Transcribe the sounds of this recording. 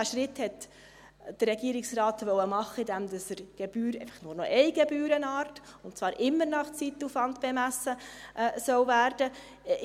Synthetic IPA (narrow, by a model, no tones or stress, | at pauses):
æʃɾɪthɛt | d̥ərːɛɡiːɾɪksrɑːt̪ʋœwəmɑχəidæmd̪ɑsəɾɡ̥ɛb̥yːɾɛ̰ɪfɑ̥χnʊːɾnɔ̰ʔɛjɡɛbyːɾənɑːɾtʊntt͡sʋɑːɾʔɪmːəɾnɑχt͡sit̪ːufɑndb̥ɛmæsːəʔsœwvæːɾd̥ə